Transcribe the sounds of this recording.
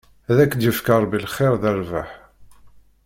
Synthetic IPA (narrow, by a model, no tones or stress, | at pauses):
ðækːd̪jəfkəɾˤbilχeɾðæɾvaħ